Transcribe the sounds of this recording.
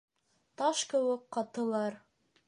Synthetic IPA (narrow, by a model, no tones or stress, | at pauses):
t̪ɑʃkɘ̆wɘkqɑt̪ɤ̆lˠɑɾ